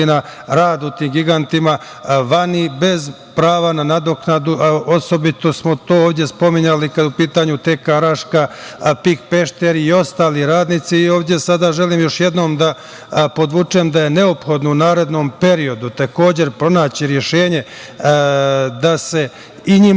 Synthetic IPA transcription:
inaɾaːd̪ut̪iːmɡiɡant̪ima | ʋanibe̞z | pɾaːʋananad̪o̞knad̪uʔo̞so̞bit̪o̞smot̪o̞ːoːʋd̪ʲje̞spo̞miɲalikad̪upiːt̪aɲut̪e̞ːkaɾaʃkapikpe̞ʃt̪eɾio̞st̪aːliɾaːd̪nit̪siːo̞ːʋd̪ʲjesad̪aʒe̞liːmjo̞ʃje̞d̪no̞ːmd̪a | po̞d̪ʋut͡ʂeːmd̪aje̞ne̞opxo̞d̪nounaːɾe̞d̪no̞mpe̞ɾio̞d̪ut̪ako̞ːd͡ʑe̞ɾpɾo̞naːt͡ɕiɾje̞ʃe̞ːɲe̞ | d̪ase̞ | iɲi

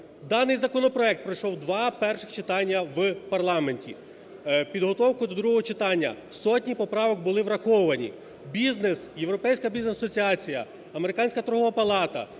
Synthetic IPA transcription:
d̪ɑnɪjzɐkɔnɔpɾɔɛk̚t̪pɾɐjʃɔwd̪ʋɑpɛrʃɪxt͡ʃɪt̪ɑnʲːɐwpɐrlˠɑme̞nʲtʲḭ | pʲid̪ɦɔt̪ɔwkʊd̪ɔd̪ɾuɦɔɦɔt͡ʃɪt̪ɑnʲːɐ̰ | sɔtʲnʲipɔpɾɑʋɔkbʊlˠɪʋɾɐxɔʊʋɐnʲḭ | bʲiznesjewɾɔpɛjsʲkɐbʲiznesɐsɔt͡sʲiɑt͡sʲijɐ | ɐmeɾɪkɑnʲsʲkɐt̪ɾɔɦɔʋɐpɐlˠɑt̪ɐ̰

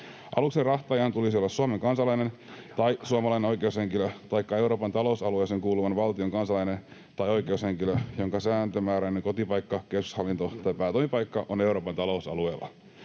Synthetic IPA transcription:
ʔɑ̰lukserɑht̪ɑjɑːnt̪ulisiolːɑsːuɑmeŋkɑnsɑlɑjnent̪ɑjsuɑmɑlɑjneo̞jkeushe̞ŋkiløt̪ɑjkːɑe̞wɾoːpɑnt̪ɑlo̞usɑlueseŋkuːluʋɑnʋɑlt̪ioŋkɑnsɑlɑjnen | t̪ɑjojke̞ushe̞ŋkiløjo̞ŋkɑsæːnt̪ømæːɾæineŋko̞t̪ipɑjkːɑkesku̥shɑlːint̪o̞t̪ɑjpæːt̪oimipɑjkːɑʔone̞uɾo̞ːpɑnt̪ɑlo̞usɑ̰lueːlˑːɑ̰

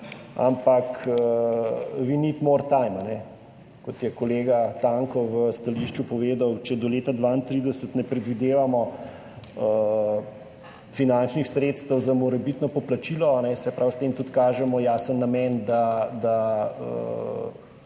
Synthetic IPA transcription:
a̰mpakə | ʋinit̪moɾt̪ajmanɛ | kɔt̪jɛkɔleːɡat̪aŋkɔʋəst̪aliʃt͡ʃupɔʋeːd̪awt͡ʃɛd̪ɔleːt̪ad̪ʋaint̪ɾid̪ɛsət̪nɛpɾɛd̪ʋid̪eːʋamɔ | ə | finant͡ʃnixsɾeːt̪st̪əwzamɔɾɛbit̪nɔpɔplat͡ʃilɔanɛsɛpɾawst̪eːmt̪ut̪kaːʒɛmɔjaːsənːamɛnd̪ad̪aə̰

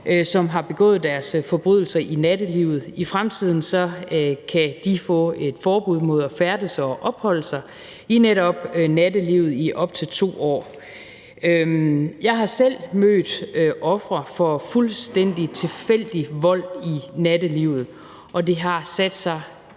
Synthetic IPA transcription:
ʔsɒ̽mɦɑ̈b̥e̝ɡ̥ɔ̰̽ːð̞̩ˠd̥æɐsfɒ̽b̥ʁyðˠl̩sɐʔinæd̥əliːʊð̞̩ˠifʁamt͡sʰið̰ˠn̩sɒ̽kʰæd̥ifɔ̰̽ːe̝d̥fɒːb̥uð̞̰ˠmo̝ð̞̰ˠæfæɐd̥əsɐɒʔɒ̽b̥hɒ̽l̰əsɑ̈ɪ | ineɾɒ̽b̥næd̥əliʊð̞̩ˠiʔɒ̽b̥t͡sʰe̝lt͡sʰo̝̰ːɒ̰ː | øjɑ̈ɪɦɑ̈sel̰mø̰ːd̥øʔɒ̽fʁɐfɒ̽fulsd̥en̰d̥it͡sʰe̝fel̰d̥iʋɒ̽l̰inæd̥əliːʊ̰ð̞̩ˠ | ʔɒ̽d̥e̝ɦɑ̈sæd̥sɑ̈ɪ

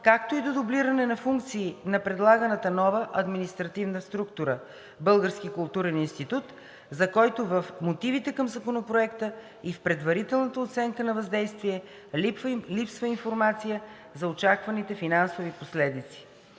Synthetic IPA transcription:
kakt̪oid̪od̪obliɾənɛnɐfuŋk̚t̪siːnɐpɾɛd̪lˠaɡənɐt̪ənɔvəʔɐd̪minist̪ɾɐt̪ivnəst̪ɾukt̪ʊɾə | bɤlˠɡəɾsk̟ikʊlˠt̪uɾɛninst̪it̪ut̪ | zɐkɔjt̪ovəfmot̪ivit̪ɛkəmzɐkonopɾoɛkt̪ə | ifpɾɛd̪vɐɾit̪ɛlˠnət̪əot̪sɛŋkənɐvɐzd̪ɛjst̪viɛ | pvlipsvəinfoɾmat̪sijə | zɐot͡ʃakvɐnit̪ɛfinansoviposlɛd̪it̪si̥

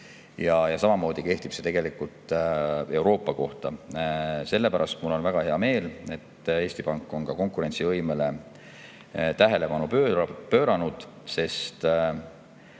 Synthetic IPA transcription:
jɑjɑsɑmɑmo̞ːd̪̥ike̞ht̪ipse̞t̪e̞ɡ̥e̞likːˑult̪ˑe̞wɾo̞ːpːˑɑko̞ht̪ɑ | se̞lːe̞pæɾɑst̪mulːo̞nvæɡ̥ɑhe̞ɑme̞ːle̞t̪ːe̞ːsʲt̪ipɑŋkːˑo̞nkɑko̞ŋkˑuɾe̞nʲt̪sivɤjmele̞ | t̪æɦe̞le̞pɑnupøpø̞ːɾɑnud̪̥ | se̞st̪

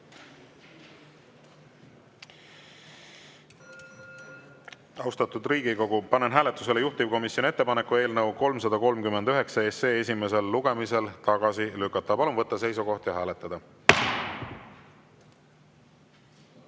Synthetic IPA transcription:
ɑwst̪ɑt̪ˑud̪riːɡiko̞ɡ̥upɑnenɦæːlet̪ːˑuse̞lejuht̪ib̥̚ko̞misjonie̞t̪ːe̞pɑnekːˑue̞ːlnɤwko̞lmsɑd̪ɑko̞lmkymend̪yɦe̞ksɑese̞ːes̬ʲime̞s̬e̞lːuɡ̥e̞mise̞lt̪ɑɡ̥ɑsilykːˑɑt̪ːˑɑpɑlumvɤt̪ːɑse̞jsuko̞ht̪jɑɦæːle̞t̪ˑːɑd̪̥ɑ

